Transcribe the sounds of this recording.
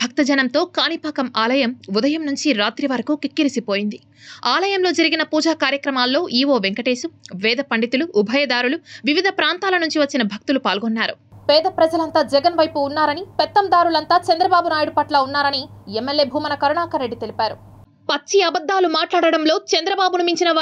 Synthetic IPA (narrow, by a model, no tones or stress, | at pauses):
bʱɐk̚t̪ɐd͡ʒɐnɐmt̪o̞ːkaːnipaːkɐmaːlɐjɐmud̪ɐjɐmnuɲt͡ʃiɾaːt̪ɾiʋɐɾɐkukikːiɾisipo̞ːjind̪i | aːlɐjɐmloːd͡ʒɐɾiɡinɐpuːd͡ʒaːkaːɾjɐkɾɐmaːlːo̞ːʔiːʋo̞ːʋeŋkɐʈe̞ːʃuʋɛːd̪ʱɐpɐɳɖit̪uluʔːbʱɐjɐd̪aːɾuluʋiʋid̪ʱɐpɾaːnt̪aːlɐnuɲt͡ʃiʋɐt͡ʃːinɐbʱɐk̚t̪ulupaːlɡɔnːaːɾu | pɛːd̪ɐpɾɐd͡ʒɐlɐnt̪aːd͡ʒɛɡɐnʋɐjpuːnːaːɾɐnipɛt̪ːɐmd̪aːɾulɐnt̪aːt͡ʃɐnd̪ɾɐbaːbunaːjuɽupɐʈlaːunːaːɾɐniemːelːeːbʱuːmɐnɐkɐɾɐɳaːkɐɾːeɖːit̪e̞lipaːɾu | pɐt͡ʃːiɐbɐd̪ːaːlumaːʈlaːɽɐɽɐmlo̞ːt͡ʃɛnd̪ɾɐbaːbunimiɲt͡ʃinɐ